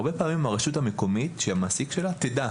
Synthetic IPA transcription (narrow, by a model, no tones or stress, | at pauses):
ʁbe̞paːmimaʁeʃutameko̞mit̪ʃeamaːsikʃe̞lat̪ed̪a